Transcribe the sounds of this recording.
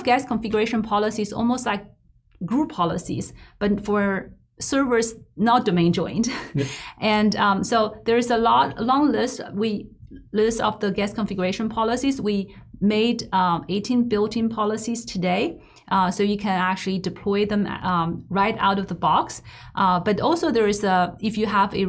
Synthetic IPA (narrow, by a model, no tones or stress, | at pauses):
vɡæskʰə̃ɱfɪɡjə˞eɪʃə̃npʰɑlˠəsizɔ̰lˠmoʊst̚ˡlaɪk̚ | ɡ̥ɹupʰɑlˠəsḭz̥b̥ʌtfə˞ | sɜ˞və˞znət̚d̥ɨmẽɪ̃nd͡ʒɔ̃ɪ̃ndʔɨ̃nsoʊðə˞ɨzəlɔtəlɔ̃ŋlɪstwi | lɪstʌ̰vðəɡɛskʰə̃ɱfɪɡə˞eɪʃə̃npʰɑlˠəsizwimeɪdeɪtʰĩnbɪlˠtɪ̃ŋpʰɑlˠəsiz̥tʰɨdeɪ | ʔsoʊjɨkʰɨ̃næk̚t͡ʃʉl̩ˠidɨpʰl̥ɔɪðə̃m̰ɹaɪɾa̰ʊɾʌvðəbɑks | ʔb̥ʌɾɔlˠsoʊðə˞ɨzəɪfjɨəvɨ